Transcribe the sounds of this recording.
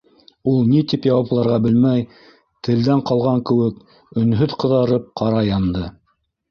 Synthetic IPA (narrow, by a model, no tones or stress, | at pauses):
ulˠnit̪ipjɑwɑplˠɑɾʁɑbɘlmæj | t̪ʰɘ̆ld̪æɴqɑlˠʁɑŋkɘ̆wɘk | ɵ̆nɦɵðqɤ̆ðɑɾɤp̚qʰɑɾɑjɑnd̪ɤ